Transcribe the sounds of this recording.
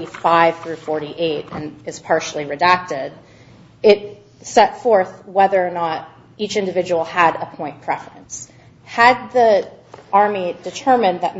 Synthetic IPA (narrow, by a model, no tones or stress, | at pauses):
ifaɪv̥θɹʉfɔɹɾiʔeɪɾɨ̃nɨz̥pʰɑɹʃl̩ˠiɹɨdæk̚tɪɾ | ɪɾ̚ | sɛtfɔɹθwɛðə˞ːnəɾ | it͡ʃɪ̃ndɨvɪd͡ʒəwl̩ˠəɾəpʰɔ̃ɪ̃npʰɹ̥ɛfɨ̃ns | hɨd̪̚ði | ɑɹmidɨtʰɜ˞mɨ̃nðɨt̚m